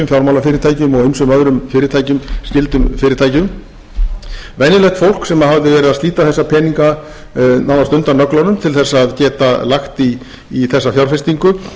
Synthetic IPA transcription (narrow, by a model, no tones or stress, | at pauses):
ʏmfjawɾmawlafɪːɾɪɾt̪ʰaːjcʏmɔɣejnsʏmœðɾʏmfɪːɾɪɾt̪ʰaːjcʏmscɪlt̪ʏmfɪːɾɪɾt̪ʰaːjcɪʏʏm | vɛjnɪlɛxt̪fowl̥ksɛmaɦavðɪvɛːɾɪðast̪iːt̪aθɛsːapʰɛːniŋka | nawnast̪ʏnt̪aɾnœklanʏmt̪ʰɪlθɛsːðcɛːt̪alaxt̪iː | θɛsːafjawɾ̥fɛst̪iŋkʏ